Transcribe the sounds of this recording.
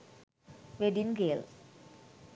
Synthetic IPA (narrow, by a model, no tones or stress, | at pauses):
ʋeɖinɡels